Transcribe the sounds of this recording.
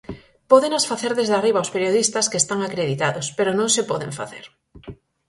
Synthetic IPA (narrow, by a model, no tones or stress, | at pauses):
pɔðenasfaθeɾðezðariβ̞awspeɾjoð̞ist̪ɐskest̪aŋakɾeðit̪aðʊspeɾonõŋsepɔðḛɱfa̰θḛɾ